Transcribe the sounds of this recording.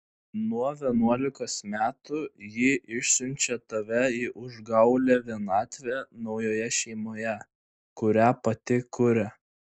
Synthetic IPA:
nuɔʋʲiɛnuɔlʲɪkoːsmʲæːt̪ʊjɪʔɪʃʲsʲʊnʲt͡ʃʲɛt̪ɐʋʲɛiːʔʊʒɡɐʊlʲɛʋʲiɛnɑːt̪ʲʋʲenɒʊjoːjɛʃʲɛɪmoːjɛ | kʊɾʲæːpɐt̪ʲɪkʊɾʲɛ

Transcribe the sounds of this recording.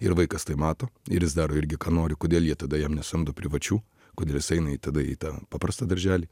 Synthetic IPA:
ɪɾʋɐɪkɐst̪ɐɪmɑːt̪oːɪ̰ɾjɪsd̪ɑːɾoːɪɾʲɡʲɪkɑːnoːɾʲɪkoːd̪ʲeːlˠjiɛt̪ɐd̪ɐjɛmnʲɛsʊɐmd̪oːpʲɾʲɪʋɐt͡ʃʲuː | koːd̪ʲeːlˠjɪsɛɪnɐiːt̪ɐd̪ɐḭːt̪ɑːpɑːpɾɐst̪ɐːd̪ɐɾʲʒʲæːlʲiː

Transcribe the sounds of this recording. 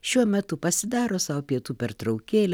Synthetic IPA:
ʃʲuɔmʲɛt̪ʊpɐsʲɪd̪ɑːɾoːsɑopʲiɛt̪uːpʲɛɾt̪ɾɒʊkʲeːlʲ

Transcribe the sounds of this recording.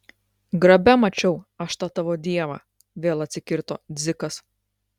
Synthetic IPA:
ɡɾɐbʲɛmɐt͡ʃʲɛʊɐʃt̪ɑːt̪ɐʋoːd̪ʲiɛʋɐ̰ː | ʋʲeːlˠɐt̪ʲsʲɪkʲɪɾt̪o̰ːd̪zʲɪkɐs

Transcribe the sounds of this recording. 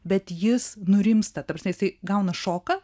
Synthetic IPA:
bʲɛt̪jɪsnʊɾʲɪmst̪ɐt̪ɐpɾɐsʲmʲɛjɪsɐɪɡɐʊnɐʃoːkɐ

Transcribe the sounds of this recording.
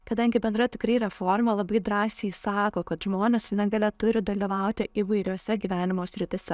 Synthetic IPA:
kɐd̪ɐŋʲɡʲɪbʲɛnd̪ɾɐt̪ʲɪkɾɐɪɾʲɛfoːɾmɐlˠɐbɐɪd̪ɾɑːsʲeɪsɑːkoːkɐt̪ʒmoːnʲɛssʲɪnʲɛŋɡɐlʲɛt̪ʊɾʲɪd̪ɐlʲiːʋɐʊt̪ʲɪʔiːʋɐɪɾʲoːsʲɛɡʲiːʋʲæːnʲɪmoːsʲɾʲɪt̪ʲɪsʲɛ

